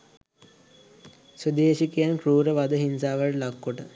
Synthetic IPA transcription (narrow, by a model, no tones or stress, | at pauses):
səd̪eːɕikijankɾuːɾəʋɐd̪əɦinsaːʋəɭlakːoʈə